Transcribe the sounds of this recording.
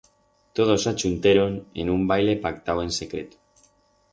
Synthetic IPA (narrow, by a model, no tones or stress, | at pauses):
t̪oðosat͡ʃunt̪eɾonḛnumbajlepak̚t̪awensekɾet̪